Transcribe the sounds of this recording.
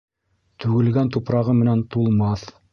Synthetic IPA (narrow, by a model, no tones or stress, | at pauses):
t̪ʉɡɘ̆lɡænt̪upɾɑʁɤmɘ̆nænt̪ulˠmɑθ